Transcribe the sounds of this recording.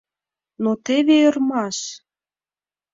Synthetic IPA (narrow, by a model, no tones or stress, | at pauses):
not̪eβeərmɑʃ